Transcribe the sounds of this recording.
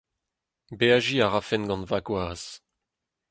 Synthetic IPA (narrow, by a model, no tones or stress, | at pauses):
beaʒiaʁafɛnɡɑ̃nvaɡwaːz̥